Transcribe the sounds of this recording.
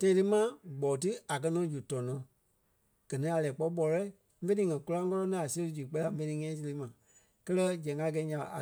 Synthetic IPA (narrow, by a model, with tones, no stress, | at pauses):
tã˧ĩ˧tɨ˦mã˦ɡ͡bɔː˨tɨ˦a˨k̬ɜ˧nɔ̃˨˦d͡ʒu˨tɔ̃˨nɔ̃˨˦ | ɡ̥ɜ˨nĩ˦a˨lɛː˨k͡pɔ˧˦ɓɔ˨˧lɔ˦i˦ | fẽ˦nĩː˨˦ŋɛ̃˨ku˧lã˧˦kɔ˦lɔ̃˦nã˦a˨se˧lɨ˧˦d͡ʒu˨k͡pɛ˦la˨˦fẽ˧nĩ˧ŋɛ̃˦˨˦s̬i˧le˨˦mã˨ | kɜ˦lɜ˦d͡ʒɛ̃˨ŋa˧˦˨ɡɛ˧˦ɲã˨a̰˨a̰˨